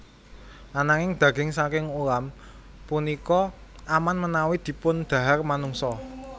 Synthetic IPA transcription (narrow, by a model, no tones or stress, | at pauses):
ʔanaŋɪŋd̪̥ä̤ɡ̥ɪŋsakɪŋuɾam | punikɔ | amanmənawid̪̥i̤pʊnd̪̥a̤ɦarmanuŋsɔ